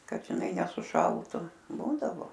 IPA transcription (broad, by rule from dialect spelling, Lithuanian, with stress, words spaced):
ˈkɐt ʒʲɪˈnɐɪ nʲɛsʊˈʃɐlˠtʊ ˈbuːdɐʋoː